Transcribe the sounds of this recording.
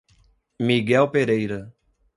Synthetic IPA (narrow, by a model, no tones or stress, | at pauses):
miɡɛwpeɾejɾɐ